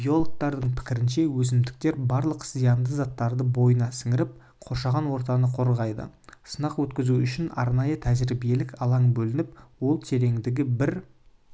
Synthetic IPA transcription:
bijo̞lˠok̚t̪ɑɾd̪əɴpʰɪ̥kʲɪɾɪnʃe̞wɵs̬ɪmd̪ɪk̚t̪e̞ɾbɑɾlˠəqz̥ijɑnd̪əzɑt̪ːɑɾd̪əbo̞jənɑsəŋɪɾɪp̚ | qʰo̞ʃɑʁɑnwo̞ɾt̪̬ɑnəqʰo̞ɾʁɑjd̪ə̰sənɑqwɵt̪kʲɪzuʏʃɪnɑ̰ɾnɑjət̪ʰæzɪɾibijelɪkɑlˠɑɴbɵlɪnɪpwo̞lˠt̪ʰe̞ɾe̞ŋd̪ɪɡʲɪbɪɾ

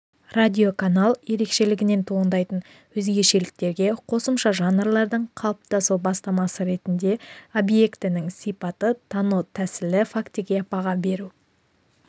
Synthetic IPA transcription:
radʲio̞kanalˠje̞ɾe̞kʃe̞lɪɡʲɪne̞nt̪ʰoənd̪ɑjt̪ən | wɵzɡʲe̞ʃe̞lɪk̚t̪e̞ɾɡʲe̞qʰo̞səmʃɑʒɑnrlˠɑɾd̪əɴqʰɑlˠəp̚t̪ɑsubɑst̪ɑmɑsəɾe̞t̪ɪnd̪e̞o̞bje̞kt̪ɪnɪŋsijpɑt̪ət̪ʰɑnut̪ʰæsɪlɪfakt̪iɡʲe̞ɑpɑʁɑbe̞ɾu

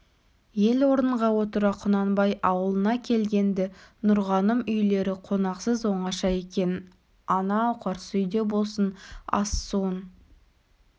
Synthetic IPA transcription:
je̞lwo̞ɾənəɴʁɑwo̞t̪əɾɑqʰʊnɑnbɑjɑwəlˠənɑkʲʰe̞lɡʲe̞nd̪ɪnʊɾʁɑnəmʏjle̞ɾɪqʰo̞nɑqsəzwo̞ɴɑʃɑe̞kʲe̞n | ɑnɑwqʰɑɾsəʏjd̪e̞bo̞lˠsənɑ̰sːun

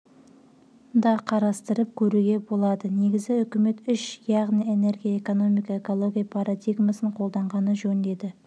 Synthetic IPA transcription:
d̪ɑqʰɑɾɑst̪əɾəp̚kʲʰɵɾuɡʲe̞bo̞lˠɑd̪əne̞ɡʲɪzɪʏkʲɪme̞t̪ʏʃjɑʁnije̞ne̞ɾɡʲijaeko̞no̞mijkɑeko̞lˠo̞ɡʲijapʰaɾʔad̪ijɡmasəɴqʰo̞lˠd̪ɑɴʁɑnəʒɵnd̪e̞d̪ɪ

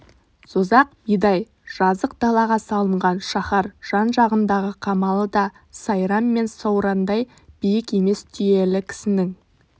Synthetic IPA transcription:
sozɑq̚b̥ijd̪ɑj | ʒ̥ɑzəq̚d̪ɑlˠɑʁɑsɑlˠəɴʁɑnʃɑχɑɾʒ̥ɑnʒɑʁənd̪ɑʁəqʰɑmɑlˠəd̪ɑ | sɑjɾɑmːe̞nsɑwɾɑnd̪ɑj | b̥ijɪke̞me̞st̪ʰʏje̞lɪkʲʰɪ̥sɪnɪŋ

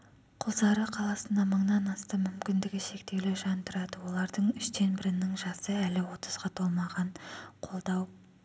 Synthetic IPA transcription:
qʰʊlˠzɑɾəqʰɑlˠɑsənd̪ɑməɴnɑnɑst̪ɑmʏmkʲɪnd̪ɪɡʲɪʃe̞kt̪e̞wleʒɑnt̪əɾɑd̪əwo̞lˠɑɾd̪əɴʏʃd̪e̞nbɪɾɪnɪŋʒɑsəælɪwo̞t̪ʰəzʁɑt̪ʰo̞lˠmɑʁɑɴqʰo̞lˠd̪ɑw

